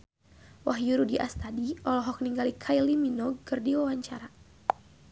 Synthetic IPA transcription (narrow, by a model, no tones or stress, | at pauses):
waɦjuɾudiʔa̰st̪adiʔɔlɔɦɔk̚niŋɡalikʰajliminɔkɨrdiwawaɲt͡ʃaɾa